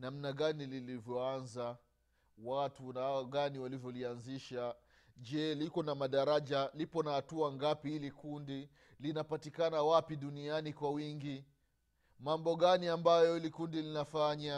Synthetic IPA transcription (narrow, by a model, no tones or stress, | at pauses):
nam̩naɠanililivjɔanza | watunahaɔɡaniwalivjɔlianziʃa | ʄɛlikɔnamaɗaɾaʄalipɔnahatuaŋɡapihilikundi | linapatikanawapiɗunianikwawiŋɡi | mambɔɠaniambajɔhilikundilinafaɲa